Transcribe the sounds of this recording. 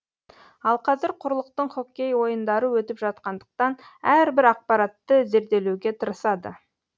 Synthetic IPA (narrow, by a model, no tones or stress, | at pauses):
ɑlˠqʰɑzɪɾqʰʊɾlˠəq̚t̪əɴχo̞kʲːe̞jwo̞jənd̪ɑɾəwɵt̪ɪpʒɑt̪̚qɑnd̪əq̚t̪ɑnæɾbɪɾɑq̚pɑɾɑt̪ːəze̞ɾd̪e̞lewɡʲe̞t̪ʰəɾəsɑd̪ə̰